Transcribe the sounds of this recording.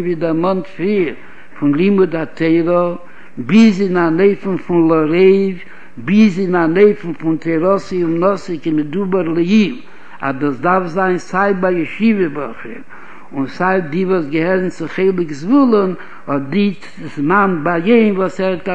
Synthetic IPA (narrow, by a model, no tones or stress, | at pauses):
nviːdɪmɔntfɾiːɾ | fʊnlˠimʊdatʰeɪɾɔ | bɪzɪnaneɪfn̩fʊnlˠɔɾeɪv | bɪzɪnaneɪfn̩fʊntʰeɾɔsiʊnɔsɪkɪmɪdubəɾlˠɪilˠ | a̰doːsdafzaɪnsaɪbajɪʃivəbɔχɪ̰ɾ | ʊnsaɪdivɔsɡəhɛɾnt͡sɪχeɪlˠɪkzvulˠən | hɔtdi | ɪsmanbajeɪnvɔsɛta